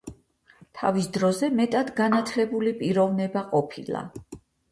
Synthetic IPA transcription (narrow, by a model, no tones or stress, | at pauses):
t̪ʰa̰visd̪ɾɔzɛmɛt̪ʼad̪ɡanat̪ʰlɛbulipʼiɾɔvnɛbaqʼɔpʰḭlˠa̰